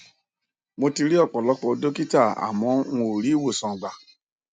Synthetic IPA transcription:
mo˧ti˧ɾi˦ɔ˦˨k͡pɔ˨lɔ˧˦k͡pɔ˧˨˧do˦ki˦ta˦˨a̰˨mɔ̃˨˦ũ˧˦o˨ɾi˨˦wo˦˨sɔ̃˨ɡ͡ba˨

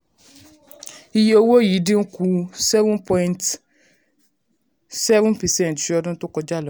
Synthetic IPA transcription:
i˧je˦o˧wo˦jiː˨˦dĩ˦n̩˦ku˧sɛ˦vũ˦npʰɔ̃˧ĩ˧˨nt | sɛ˦vũ˦pɛ˨sɛ̃˦n˨tfi˧˦ɔ˧d̃to˦kɔ˧d͡ʒa˦˨lɔ˨˦

